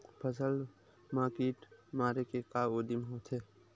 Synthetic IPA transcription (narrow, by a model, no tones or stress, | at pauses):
pʰəsəl | maːkiːʈmaːɾekekaːoːd̪imɦot̪ʰeː